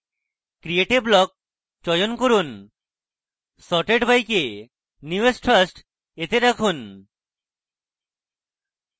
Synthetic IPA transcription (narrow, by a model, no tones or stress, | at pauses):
kɾieʈeblɔk̚ | t͡ʃɔjonkoɾun | sɔʈeɖbʱajke | njuesʈʰɾasʈ | et̪eɾakʰun